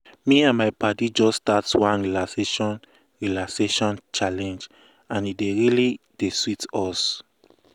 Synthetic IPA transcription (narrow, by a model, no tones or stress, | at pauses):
miãnmaɪpadid͡ʒɔstatwãnɹilaseʃɔ̃n | ɹilakseʃɔ̃nt͡ʃalɛ̃nd͡ʒ | ãnideɹilid̥eswitɔs